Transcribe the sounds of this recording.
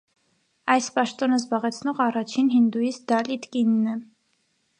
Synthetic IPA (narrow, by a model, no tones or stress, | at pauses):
ɑjspɑʃt̪ɔnəzbɑʁɛt͡sʰnɔʁɑrɑt͡ʃʰinɦind̪ujisd̪ɑlit̪kinːɛ